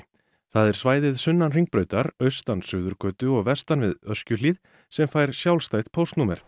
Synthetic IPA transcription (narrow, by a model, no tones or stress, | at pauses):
θaðɛɾ̥svaːjðɪðsʏnːanr̥iŋk̚pɾœːɥt̪aɾœɥst̪ansʏːðʏɾkʰœːt̪ʏɔɣvɛ̥st̪anvɪðœ̥scʏlið | sɛmfaːjɾ̥sjawlst̪aːjt̪pʰowst̪nuːmɛɾ̥